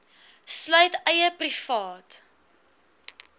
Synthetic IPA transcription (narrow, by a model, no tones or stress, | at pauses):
slœɥtɛjəprifɑːt